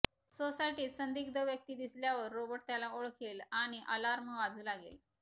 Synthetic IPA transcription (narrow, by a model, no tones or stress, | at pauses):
sosaiʈiːt̪sənd̪iːkd̪əʋjək̚t̪iːd̪isljaʋəɾːobəʈt̪jalaoɭkʰelaɽ̃iʔəlaɾməʋad͡zuːlaɡḛl